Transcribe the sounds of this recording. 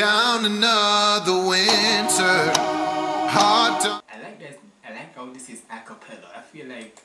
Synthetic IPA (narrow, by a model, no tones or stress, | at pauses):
ãʊ̃nənʌðəwɪntʰə˞ | hɑɹ̚daɪlaɪk̚ðæs | aɪlaɪkoʊðɪsɪzækəpʰɛləaɪfilaɪk̚